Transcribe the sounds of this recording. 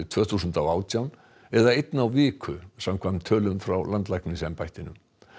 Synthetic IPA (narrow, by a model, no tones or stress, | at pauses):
t̪ʰv̥œːθusʏnt̪awaːwt̪jawn | ɛðaejt̪nawvɪːkʰʏsamkʰvant̪ʰœːlʏmfɾawlant̪lajknɪsɛmpajht̪ɪnʏ̰m